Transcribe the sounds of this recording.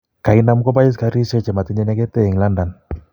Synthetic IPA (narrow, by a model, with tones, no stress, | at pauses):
ka˨i˦na˦m˦kɔ˦ba˦i˦s̬ka˨˦ɾi˦sɛ˦t͡ʃɛ˨ma˨t̪i˦ɲɛ˦nɛ˦ɡɛ˦t̪ɛ˦i˨ŋla˦nda˨n